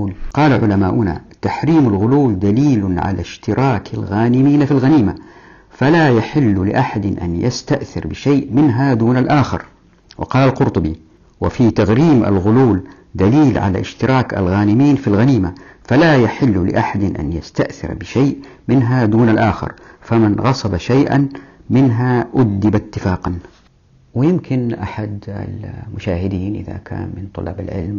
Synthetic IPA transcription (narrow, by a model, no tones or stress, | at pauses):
qɑːlaʕʊlamaːʔʊna̰t̪aħɾiːmalɣʊluːld̪aliːlʊʕa̰la̰ʃt̪ɪɾɑːkʰalɣaːnɪmiːnafilɣaniːma | falajaħɪlːlɪ̰ʔaħad̪ɪnʔa̰njast̪aʔθɪ̰ɾbɪʃaːʔmɪnɦad̪uːnalʔaːxɪ̰ɾ | wɪ̰qɑːlalqʊɾt̪ˤʊbi | wa̰fit̪aɣɾiːmʔa̰lɣʊluːl | d̪aliːlʕa̰la̰ʔɪ̰ʃt̪ɪɾɑːka̰lɣaːnɪmiːnfilɣaniːmafalajaħɪlːlɪ̰ʔaħad̪ɪnʔa̰njast̪aʔθɪ̰ɾbɪʃaːʔmɪnɦad̪uːnalʔaːxɪ̰ɾfamanɣɑsˤɑbaʃajʔa̰nmɪnɦaʔʊd̪d̪ɪbat̪ːɪfaːqɑn | wɪjɪmkɪnʔa̰ħad̪a̰lmʊʃaːhɪd̪iːnʔɪ̰ða̰kʰa̰ːnmɪnt̪ˤʊ̰lːɑ̰ːbalʕɪ̰lm